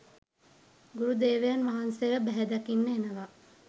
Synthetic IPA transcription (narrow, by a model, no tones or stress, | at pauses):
ɡuɾud̪eːʋejanʋaɦanseʋəbæɦɛd̪akinːəenəʋa